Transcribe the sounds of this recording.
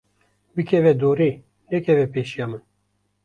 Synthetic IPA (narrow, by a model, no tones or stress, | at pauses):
bɨkʰɛvɛd̪oːɾeː | nɛkʰɛvɛpeːʃijɑːmɨn